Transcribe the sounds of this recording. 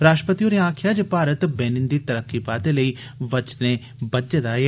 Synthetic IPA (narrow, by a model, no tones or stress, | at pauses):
ɾaːʃʈɾəpət̪ijoːneãːkʰjad͡ʒɐpaːɾət̪beːnɪ̃nd̪it̪ɐɾəkːipaːt̪elɐi | ʋɐt͡ʃne | bɐd̪ːɐd̪aːe